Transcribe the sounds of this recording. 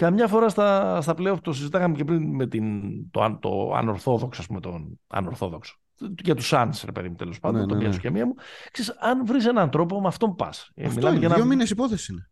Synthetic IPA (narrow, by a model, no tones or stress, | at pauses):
kɐmɲɐfo̞ɾɐst̪ɐst̪ɐpleopt̪osizit̪ɐkɐmecepɾinme̞t̪int̪o̰t̪o̞̰ɐ̰no̞ɾθo̞ðo̞ksoɐspumet̪onɐ̰noɾθo̞ðo̞kso̥ | ʝɐt̪usɐnsɾe̞̰pe̞ðimut̪elo̞spɐnd̪ot̪omʝɐso̥cemiɐmuksesɐnvɾise̞nɐnt̪ɾo̞po̞mɐft̪o̞mpɐ̰smilɐeʝɐenominesipoθesiine